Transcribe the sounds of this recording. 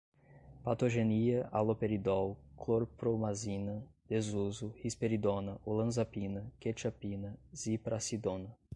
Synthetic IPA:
pat̪oʒeniɐʔalopeɾid̪ɔwkloɾpɾomazinɐd̪̥ezuzʊhispeɾid̪onɐʔolɐ̃zapinɐket͡ʃapinɐz̥ipɾasid̪õnɐ

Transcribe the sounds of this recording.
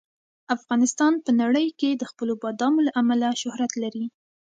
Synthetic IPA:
afɣɑnɪst̪ɑnpənaɽəjked̪əxpəlobɑd̪ɑmolaʔamalaʃʊhɾat̪laɾi

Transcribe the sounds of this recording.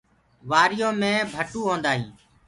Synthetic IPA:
ʋaːɾɪjõːmẽːbʱəʈuːɦõːnd̪aːɦĩː

